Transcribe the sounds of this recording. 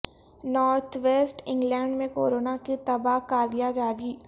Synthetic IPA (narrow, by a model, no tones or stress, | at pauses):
nɔːɾt̪ʰʋeːsʈɪ̃ŋɡlɛ̃ːɳɖmẽko̰ːɾoːnakit̪ɐbaːɦkaːɾijad͡ʒaːɾiː